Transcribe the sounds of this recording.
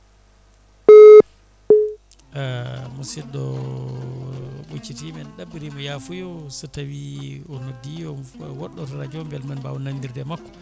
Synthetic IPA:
amusiɗɔ | ɓot͡ʃːitimɛnɗabːiɾimɔjafujɔsɔtawiɔnodːiɔwɔɗːɔtaɾad͡ʒɔmbɛlmanbawnandiɾdɛmakːɔ̥

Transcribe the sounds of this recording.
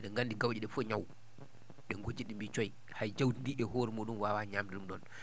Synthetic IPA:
ɛɗɛŋɡandiɡawd͡ʒiɗɛfoɲaw | ɗɛŋɡod͡ʒiɗimbit͡ʃɔj | hajd͡ʒawtindiʔɛɦoɾimoɗunwawaɲaːmdiɗumɗɔn

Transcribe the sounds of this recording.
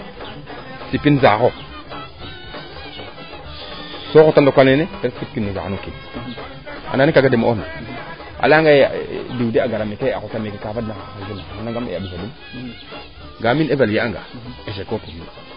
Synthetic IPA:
sipːinzako | sokotandokʷalneneeɾasip̚kinːeza̰noki | a̰nanikaɡademo̰na̰ | a̰laŋɡadideaɡaɾamekea̰utamekekavadnaad͡ʒunaanaŋɡamḛabisadum | ɡaminevaljeaŋɡa̰eʃ̬ekopumḭ

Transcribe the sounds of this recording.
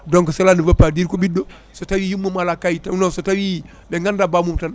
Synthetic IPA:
doŋkəsalanivapadiɾkobido | sotawijumːumalakajitanosotawi | beŋɡandabamumtan

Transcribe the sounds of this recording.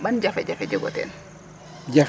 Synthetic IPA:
ɓand͡ʒafɛd͡ʒafɛd͡ʒɛɡɔ̰tɛ̰n | d͡ʒaf

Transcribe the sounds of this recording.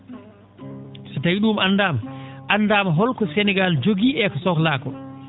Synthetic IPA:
sɛtajiɗumanːdaːmaʔanːdaːmaɦɔlkɔsɛnɛɡald͡ʒoɡiːʔɛkɔsɔklaːkɔ

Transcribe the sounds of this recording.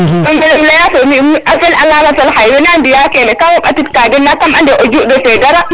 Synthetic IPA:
mambɛllajasɔmimʔafɛlʔalamatalhajwɛnandijakɛmɛkawɔɓatitkaːdɛnːakamandɛʔɔd͡ʒuʔdɔfɛdaɾa

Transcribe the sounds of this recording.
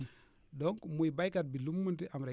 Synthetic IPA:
doŋkmujbajkad̚bilumːuntiʔamɾa

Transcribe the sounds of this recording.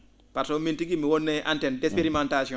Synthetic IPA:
patomintiɡimiwonːeʔantɛndɛspeɾimantasɔ

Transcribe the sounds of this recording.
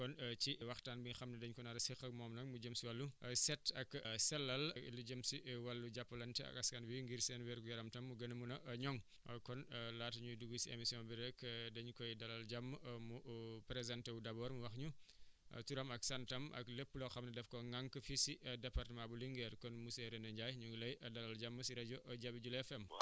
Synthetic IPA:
kɔnt͡ʃiwɐxtaːnbiɲxɐmnɐdɐɲkɔnɐɾɐsixɐk̚mɔːmnɐk̚mud͡ʒəmsiwɐlːusɛtɐksɛlːɐl̰luɟəmsiwɐlːuɟɐpːɐlɐntɛɐ̰kɐskanwiŋɡiɾsɛnwɛɾkujɐɾɐmtɐmːuɡɐnɐmunɐɲɔŋ | kɔnlaːtɐɲuduɡusiḛmisijɔ̃nbiɾɛkdɐɲukɔjdɐlɐlɟɐmːmupɾezantewudɐbɔːɾmuwɐxɲuɐ̰tuɾɐmɐksɐntɐmʔɐ̰klepːulɔxɐmnɐdɛfkɔŋaŋkəfisiʔɐdɛpartmãbuliŋɡɛɾkɔnmusɛɾenɐɲɟaːjɲuŋɡulɐjʔɐdɐlɐld͡ʒɐmːəsiɾɛɟɔʔɐɟɐbiɟulɛfɛm

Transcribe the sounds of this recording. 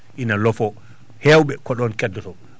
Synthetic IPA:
ʔinalɔfɔ | hɛwɓɛkɔɗɔnkɛdːɔtɔ

